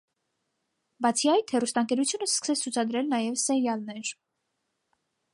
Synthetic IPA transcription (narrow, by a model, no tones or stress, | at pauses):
bɑt͡sʰiɑjt̪ʰhɛrust̪ɑŋkɛɾut͡sʰjunəskə̥sɛt͡sʰut͡sʰɑd̪ɾɛlnɑjɛvsɛɾjɑlnɛɾ